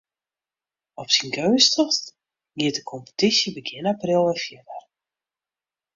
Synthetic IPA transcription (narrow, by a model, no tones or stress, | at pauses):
ɔpsinɡøːstəxst | ɡɪətəkʰɔmpə̥tisjəbəɡɪnaprɪlˠəfjədər